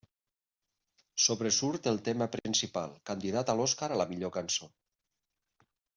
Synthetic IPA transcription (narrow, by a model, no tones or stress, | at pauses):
soβɾesuɾt̪elˠt̪emapɾinsipalˠkand̪iðat̪alɔskaɾalamiʎokanso